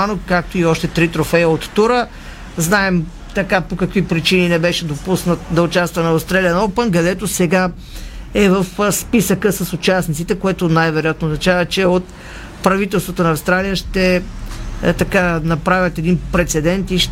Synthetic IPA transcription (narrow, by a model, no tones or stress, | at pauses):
anokkːak̚t̪oiɔʃt̪ɛt̪ɾit̪ɾofɛjəot̪ːuɾə | znaɛm | t̪ɐkapokɐkvipɾit͡ʃininɛbɛʃɛd̪opusnət̪d̪ɐʊt͡ʃast̪vɐnɐst̪ɾaliɐnopənkɐd̪ɛt̪osɛɡa | ɛvəfspisəkəsəsʊt͡ʃasnit̪sit̪ɛkoɛt̪onajvɛɾojat̪noznɐt͡ʃavət͡ʃɛot̪ | pɾɐvit̪ɛlˠst̪vot̪onɐːfst̪ɾalijəʃt̪ɛ | t̪ɐkanɐpɾavʲət̪ɛd̪inpɾɛt̪sɛd̪ɛnt̪iʃ